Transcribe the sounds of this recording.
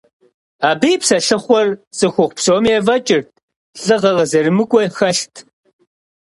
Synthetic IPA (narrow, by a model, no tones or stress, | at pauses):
aːbɨjpsɐɬɨχʷɔrt͡sʼɨxʷʊχʷpsoːmɛvɐt͡ʃʼɪrt̚ʰ | ɬʼɨʁɐʁɐzɐɾɨmɨkʷʼɔxɐɬtʰ